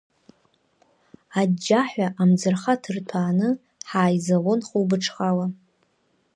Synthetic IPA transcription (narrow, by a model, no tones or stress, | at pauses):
ad͡ʒaħʷᶣaʔamd͡zɨrχatʰɨrtʰaːnɨ | ħaːjzalonχuwbɨʈ͡ʂʰχala